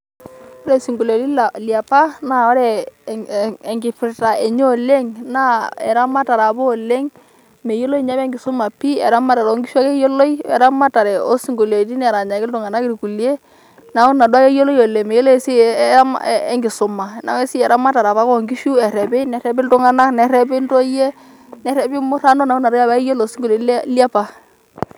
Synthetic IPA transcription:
ɔ˦ɾɛ˦˨si˨ŋɡu˨lo˨ti˦la˨lja˨pa˦na˦ɔ˦ɾɛ˨ | ŋɡɪ˨pɪ˨ɾta˨e˨ɲɔ˦˨le˦ŋna˦ɛ̰˨ɾa˦ma˦ta˨ɾa˨bɔ˦˨le˦ŋ | me˨jo˦lo˦i˦ɲa˦bɛ˦ŋɡɪ˨sʊ˦ma˨pi˦ɛ̰˨ɾa˦ma˦ta˨ɾo˦ŋɡi˦ʃu˦a˦ke˦jo˦lo˦i˦ɛ̰˨ɾa˦ma˦ta˨ɾɛ˨ɔ˦si˨ŋɡu˨le˨ti˦nɛ˨ɾa˨ɲa˨kɪ˦ltʊ˨ŋa˨na˦kɪ˦ɾku˨lje˦ | na˨˦ʊ˦na˨dwa˦ke˦jo˦lɔ˦jo˨le˨mɛ˨jo˦lɔ˦ɛ˦si˦m̰ɛ˦ŋɡɪ˨sʊ˨ma˨na̰˨˦e˦si˦ɛ˨ɾa˦ma˦ta˨ɾa˨βa˦kɔ˦˨ŋɡi˦ʃu˦ɛ˨ɾɛ˨bɛ˦nɛ˨ɾɛ˦bɪ˦ltʊ˦ŋa˦na˦knɛ˨ɾɛ˦bɪ˦n˦to˦jɛ˦ | nɛ˨ɾɛ˨bɪ˦mʊ˦ɾa˦nɔ˦na˨ʊ˦na˨dɔ˦ba˦e˦jo˦lo˨˦si˦ŋɡo˨le˨llja˦pa˨

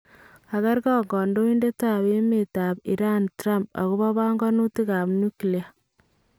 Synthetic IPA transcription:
a˨ka˦ɾkɔ˦ŋɡɔ˨ndo˦i˦nde˦ta˨we˦me˨ta˨pḭ˨ɾa˦ntɾa˦mp̚a̰˨ku˦βɔ˦βa˦ŋɡɔ˦nu˦ti˦ka˨pnu˦klia˨

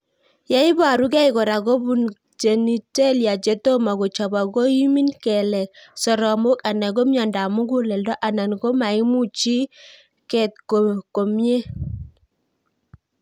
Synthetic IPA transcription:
ja˦i˦ba˨ɾu˦ɡɛ˦i˨kɔ˨ɾa˨ɡo˦bu˦n | d͡ʒe˨ni˦te˦lja˨t͡ʃe˦to˦ma˨ɡo˨t͡ʃɔ˨ba˨ɡo˦i˦mi˦nkɛ˨lɛ˨sɔ˨ɾɔ˨mo˦ka˨nɛ˨ɡo˦mjɔ˨nda˨mu˦ɡu˦lɛ˨ldɔ˦ʔa˨na˨nɡo˦ma˨i˦mu˦t͡ʃi˦ | kɛ˨t̪̚ko˨ko˨mje˦

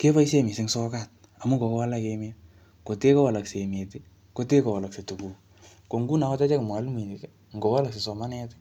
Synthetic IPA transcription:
ke˦ba˦i˦se˦mi˨sɪ˦ŋsɔ˦kat̚ | a˨mu˦ko˨kwa˦la˦keme˦ | ko˨te˦ko˦wa˨la˨kse˨me˨ti˦ | ko˦te˦ko˨wa˨la˨kse˨tu˨ku˨k | ko˨ŋɡu˦na˨kɔ˦ta˦t͡ʃa˦kɪ˨m˨a˨˦lmi˨ti˨k | ŋ̩˨ɡo˨wa˦la˨kse˨sɔ˨ma˦nɛ˦t

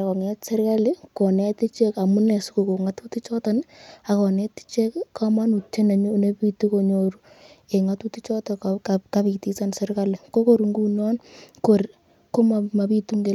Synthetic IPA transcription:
kɔ˨ŋɛ˦tse˦ɾka˦li˦ko˨nɛ˦ti˦t͡ʃe˦ka˨mu˦nɛ˨su˦ko˨ko˨ŋa˦tu˦ti˦t͡ʃɔ˦tɔna˨kɔ˨ne˦ti̥˦t͡ʃe˦kkama˦nu˨tːe˦na˨ɲo˦ne˦pi˦tu˦ko˨ɲoɾu˦ | e˨ŋa˨tu˦ti˦t͡ʃɔ˦tɔ˨kaka˦pi˨ti˦sa˦nsɛ˦ɾka˦li˨ko˦ko˦ɾŋɡu˦nɔ˦nko˨ɾ | ko˦mama˨pi˦tu˦ŋɡe˦

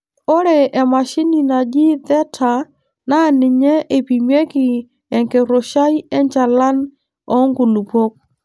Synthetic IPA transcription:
o˦ɾɛ˨ʔɛ˨ma˨ʃi˦ni˨na˨d͡ʒɪ˦ðɛ˦tʰa˨ | na˦˨nɪ˨ɲɛ˦ʔe˨pi˨mje˦kɪ˨ | ɛ˨ŋke˨ɾo˨ʃa˦jɛ˦nt͡ʃa˨la˦n | ɔ˦ŋɡu˨lu˨po˦k̚

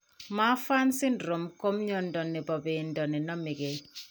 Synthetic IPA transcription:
ma˦fa˦nsɪ˦ndɾo˨mko˦mɲɔ˦ndɔ˨nːɛ˨bɔ˨be˨ndɔ˨nɛ˨nɔ˦mɪ˨ɡe˨

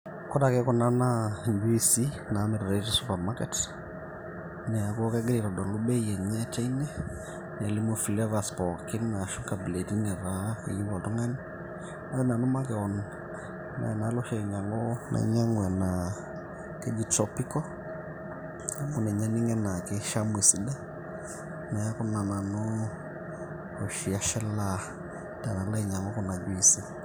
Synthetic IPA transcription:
kɔ˦dakɛkɔ˨na˦nabusi | na˨˦mɛ˨ɾɾetisupamakɛt | nɛ˨a˨k̬ɔ˦kɛ˦ɡɛliɾɔ˨dɔ˨luɓɛ˦iɛ˨ɲɛ˦t͡ʃa˦inɛ | nɛ˨li˦mufi˨lɛvaspɔki˦nna˨ʃu˦kabile˨ti˦nɛ˨ɾa˦ɛ˨li˦βɔ˨tu˦ŋa˦ni | a˦ɛ˦na˨nɔ˦makɛɔn | na̰˨na˦lɔ˦ʃɛ˨i˨ɲa˨ŋɡɔ˦nʔa̰˨˦ɲa˦ŋɡwɛ˨na˨ | kɛ˦d͡ʒi˨tɔpi˦kɔ˦ | mu˨nɛ˨ɲa˦ni˦ŋɛ˦na˨kɛ˦ʃa˦mwi˨si˨ɗa˦ | nɛ˨ja˦ku˦na˨na˨nɔ˦ | o˨ʃi˨a˦ʃɛ˦la˦ | ta˨na˨la˦i˨ɲa˨ŋɡɔ˦kɔ˨na˨ɡi˨si˦

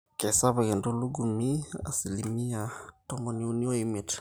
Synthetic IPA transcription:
kɛ˨sa˦βa˨kɛ˨ndo˦lu˦ɡu˨mi˦a̰˨si˨li˨mi˦a˨tɔ˦mbɔ˨ni˨˦u˦ni˦ɔ˦i˦mi˨t͡ʃ

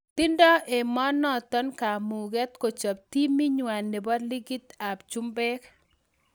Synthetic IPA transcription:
t̪ɪ˦ndɔ˦ʔe˨mɔ˦nɔ˦t̪ɔ˦nka˨mu˨ɡɛ˦t̪ko˨t͡ʃa˨p̚t̪i˦mi˦ɲwa˨nːe˨bɔ˦d̪li˦ɡi˦t̪a˨bt͡ʃu˦mbɛ˦k

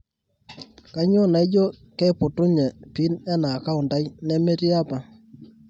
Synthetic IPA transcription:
ka˦ɲo˦na˨jd͡ʒɔ˦ | kɛ˦pʊ˨tʊ˦ɲɛ˨pi˨˦nɛ˦na˨ka˦ʊ˨nda˦jnɛ˦me˦ɾi˦a˦pa˨

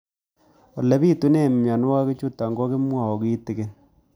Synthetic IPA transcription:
ɔ˨le˦bi˦tu˦ne˦˨mja˨n˦wa˦ke˦t͡ʃu˦ta˨ŋɡɔ˦ke˦mwa˨ɔ˨ki˦tɪ˨ke˦

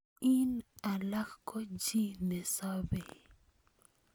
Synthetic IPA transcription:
i˦na˨la˦xko˦d͡ʒi˦ne˨sa˦be˨

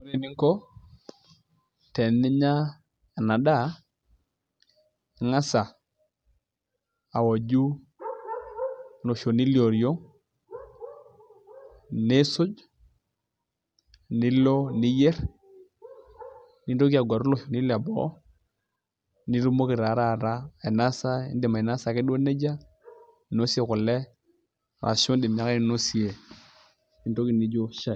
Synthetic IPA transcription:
o˦ɾe˨nɪ˦ŋkɔ˦ | tɛ˨nɪ˦ɲa˦˨ | na˨da˦˨ | ŋa˦sa˨ | a˨wa˨d͡ʒu˦ | lo˨ʃo˨ni˦ljo˨ɾjo˦ | ne˦sʊ˦d͡ʒ | ni˦lo˦ni˦jɛ˦ɾ | ni˦n˦do˦ki˦a˨ɡʷa˨ɾu˦lo˦˨ʃo˨ni˦la˨bɔ̰˦ | ni˦ɾu˦mo˦ki˨ɾa˨˦ɾa˦˨ɾa˦e˨na˦sa˦ḭ˦di˨ma˨ɛ˨na˦sa˨kɪ˦do˦ne˦d͡ʒa˦˨˦ | no˦si˦e˨kʊ˨lɛ˦˨ | a̰˨so˦ndi˨m˨a˨ke˦ni˦no˦si˨e˨ | i˦ndo˦ki˨ni˦d͡ʒo˦ʃa˦˨

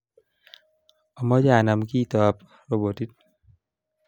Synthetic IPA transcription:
ɔ˨mɔ˦d͡ʒaː˨na˧mkiː˦˨t̪ɔ˨p̚ | ɾo˨bo˨ti˦t̚

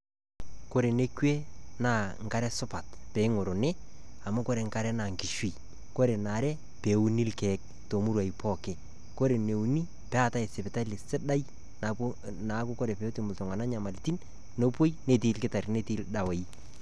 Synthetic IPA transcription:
ko˦ɾe˨ne˦kwe˦na˨ŋka˦ɾɛ˦sʊ˦pa˨tpɛ˨ɪ˦ŋo˨ɾo˨nɛ˦ | a˨ma˦ko˦ɾe˨ŋka˦ɾɛ˦na˨ŋki˨ʃwi˨ | ko˦ɾe˨na˨ɾɛ˦ | pe˨u˦ni˦lkɛ˨˦k̚ | to˨mu˦ɾwa˨i˨pʰɔ˦˨kɛ˨ | ko˦ɾe˨ne˨u˨ni˦ | pɛ˦a˦˨ta˦e˨sɪ˨pɪ˨ta˦lɪ˨sɪ˦da˦j | na | na˨˦kʊ˦ko˦ɾɛ˨pɛ˨˦o˦ti˨mʊ˨ltʊ˨ŋa˨na˦ɲa˨ma˨lti˦n | no˦pwo˦jne˦˨tiː˦lkɪ˦ta˨ɾne˦ti˦lda˨we˨i˦

